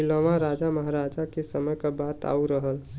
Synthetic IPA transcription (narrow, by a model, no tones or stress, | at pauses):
iləʋãɾad͡ʒaməɦaɾad͡ʒakesəməjkabat̪a̰uɾəɦəl